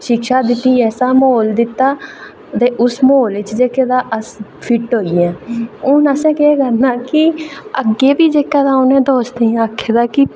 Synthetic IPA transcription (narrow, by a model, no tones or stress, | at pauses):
ʃɪkʃaːd̪ɪt̪ːiːɛːsaːmoːld̪ɪt̪ːaː | t̪eːʔʊsmoːlɪt͡ʃd͡ʒeːked̪aːʔəspʰɪʈɦoːiːɛ̃ːʊnəsɛ̃ːkeeːkəɾnaːkɪəɡeːbiːd͡ʒeːkɛːd̪aːʊnẽːd̪oːsd̪eːɛ̃əkʰːeːd̪aːkɪ